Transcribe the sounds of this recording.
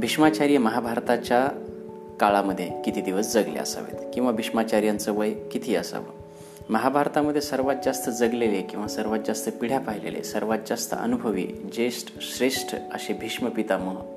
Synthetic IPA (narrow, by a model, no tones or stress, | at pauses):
bʱiʂmat͡ɕaɾijəməɦabʱaɾt̪at͡ɕa | kaɭaməd̪ʱːjekit̪ʰiːd̪iʋəsd͡zəɡljḛə̰sa̰ʋḛt̪kĩw̃ʋabʱiʂmat͡ɕaɾjant͡səʋəjkit̪ʰiːəsa̰ʋə̰ | məɦabʱaɾt̪aməd̪ʱːjesəɾʋat̪̚d͡zast̪əd͡zəɡlelekĩw̃ʋasəɾʋat̪̚d͡zast̪əpiɽ̤japaɦilḛlḛsəɾʋat̪̚d͡zast̪ə̰ə̰nubʱəʋḭːd͡ʑeʂʈɕɾeʂʈʰə̰ɕebʱiʂməpit̪aməɦ